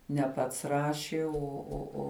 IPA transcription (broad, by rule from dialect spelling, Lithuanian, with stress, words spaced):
nʲɛ ˈpɐts ˈrɑːʃʲɪ ˈoː oː oː